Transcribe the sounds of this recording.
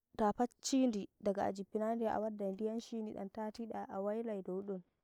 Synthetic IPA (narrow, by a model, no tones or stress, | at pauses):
tapat͡ʃːiːndidaɡaa̰d͡ʒipːinandɛʔa̰wadːadijanʃiniɗa̰ntaːtiɗaʔawajlajdɔwuɗun